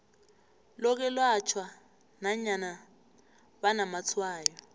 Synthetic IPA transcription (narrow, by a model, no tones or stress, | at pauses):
lɔk̬ɛlwat͡ʃʰwa | naɲana | βanamat͡sʰwaːjɔ